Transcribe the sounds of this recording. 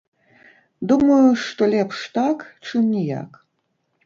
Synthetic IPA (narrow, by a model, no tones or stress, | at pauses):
d̪umɐjuʂt̪ɔlʲɛpʂt̪akt͡ʂɨmnʲija̰k